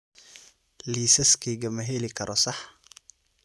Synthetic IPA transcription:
liːsɐskʰiːɡɐmɐɦɛlɪkʰɐɾʔɔsɑħ

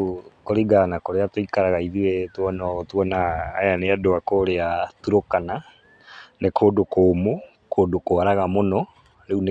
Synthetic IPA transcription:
koɾiɡanakoɾeatoikaɾaɣaiðiwetwɔnɔtwɔnaːjaneadoakoɾeatuɾokana | nekʰoːdokʰoːmo | kʰoːdokoaɾaɣamonɔ | ɾeune

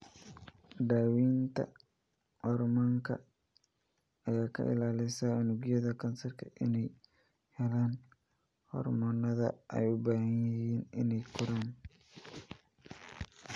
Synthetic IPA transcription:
d̪aːwiːnt̪ʰɐ̰ | hɔrmaŋkʰɐ̰ | ɐjaːkʰɐ̰ʔɪ̰laːlɛsaːʊnuɡɪjɐðɐkʰɐnsɐrkʰɐʔɪnɛj | hɛlaːn | hɔ̰rmɔːnɐðɐ̰ʔɛ̰jʊbaːhɐjjiːnɪ̰nɛjkʰʊɾaːn

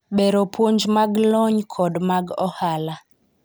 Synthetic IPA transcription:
ɓɛɾopʰwoɲd͡ʒmaɡlɔɲkʰɔdmaɡɔhala

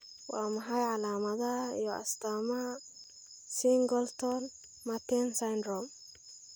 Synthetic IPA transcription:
wa̰ːmɐħajʕalaːmɐðɐɪjɔɐ̰st̪aːmɐ | siŋɡɔlt̪ɔn | mat̪ɛnsajnɾɔm

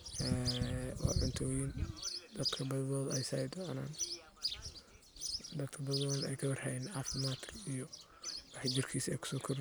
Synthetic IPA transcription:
ʔɛwɑ̰ːʕʊnt̪ʰɔːjɪnd̪ɐd̪̥kʰɐbɐðɐðɔːðɐɛjsɐjd̪ɔʕna̰ːn | d̪ɐd̪kʰɐbɐððɔːðɐnɛ̰jkʰɐbɐrhɛɪnaft̪mat̪ʰɪ̥ijɔ | aħd͡ʒɪrkʰiːsɛ̰jkʰʊ̥sɔːkʰɔr

